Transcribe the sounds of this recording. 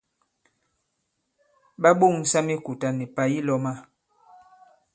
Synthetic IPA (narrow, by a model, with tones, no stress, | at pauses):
ɓa˦ɓo˦˨ŋ˨sa˦mi˦ku˨ta˨ni˨pa˨ji˦lɔ˦ma˦